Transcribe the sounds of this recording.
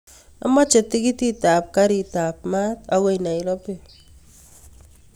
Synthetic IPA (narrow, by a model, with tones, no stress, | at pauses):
a̰˦ma˦t͡ʃe˨ti˦ki˦ti˦ta˨p̚ka˦ɾi˨ta˨p̚ma˦ta˨we˦jna˨i˨ɾɔ˦pe˦˨